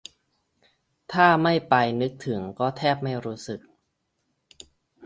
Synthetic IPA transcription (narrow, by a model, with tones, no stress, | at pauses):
t̪ʰaː˥˩ma˥˩jpa˧jnɯ˦˥k̚t̪ʰɯ˩˦ŋkɔː˥˩t̪ʰɛː˥˩p̚ma˥˩jɾuː˦˥sɯ˨˩k̚